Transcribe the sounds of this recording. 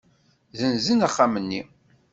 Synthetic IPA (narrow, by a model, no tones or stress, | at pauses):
ðənzənaχːamənːi